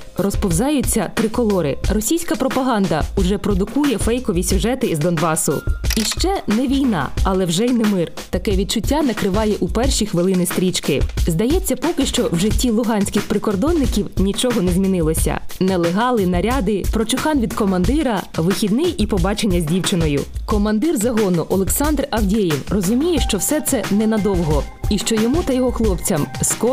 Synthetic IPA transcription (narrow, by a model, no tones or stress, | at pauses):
rɔspɔwzɑjʊt͡sʲːɐt̪ɾɪkɔlˠɔɾɪrɔsʲijsʲkɐpɾɔpɐɦɑnd̪ɐʊʒɛpɾɔd̪ʊkujɛfɛjkɔʋʲisʲʊʒɛt̪ɪzd̪ɔnbɑsʊ̰iʃt͡ʃɛnɛʋʲijnɑ̰ɐlˠɛwʒɛjnɪmɪr | t̪ɐkɛʋʲid̪̚t͡ʃʊtʲːanɐkɾɪʋɑjɛʔupɛrʃixʋeɪlˠɪnɪst̪ɾʲit͡ʃkɪzd̪ɐjɛt͡sʲːɐpɔkɪʃt͡ʃɔwʒɪtʲːilˠʊɦɑnʲsʲkɪxpɾɪkɔrd̪ɔnːɪkʲiwnʲit͡ʃɔɦɔnɛzʲmʲinɪlˠɔsʲɐ̰nɛlˠeɦɑlˠɪnɐɾʲɑd̪ɪpɾɔt͡ʃʊxɑnʋʲid̪kɔmɐnd̪ɪɾɐʋɪxʲid̪nɪjipɔbɑt͡ʃenʲːɐzʲdʲiwt͡ʃɪnɔjʊ̰kɔmɐnd̪ɪrzɐɦɔnʊʔɔlˠeksɑnd̪rɐwdʲejiwrɔzʊmʲijɛʃt͡ʃɔwsɛt̪sɛnɛnɐd̪ɔwɦɔ | iʃt͡ʃɔjɔmut̪ɐjɔɦɔxlˠɔpt͡sʲɐmskɔ